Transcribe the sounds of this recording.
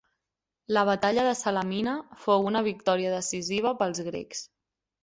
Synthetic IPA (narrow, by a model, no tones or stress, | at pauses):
ləβ̞ət̪aʎəðəsələminəfowunəβik̚t̪ɔɾiəðəsiziβ̞əpəlˠzɣɾḛks